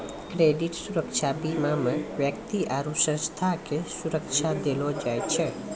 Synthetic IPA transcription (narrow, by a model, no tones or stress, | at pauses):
kɾeɖiʈsuɾəkt͡ʃʰabimamə̃ʋjəkt̪iʔaɾusə̃st̪ʰakesuɾəkt͡ʃʰad̪elod͡ʒajt͡ʃʰe